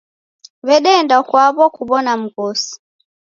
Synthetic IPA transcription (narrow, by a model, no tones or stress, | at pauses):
βɛɗɛndakwaβɔkuɓɔnam̩kɔsi̥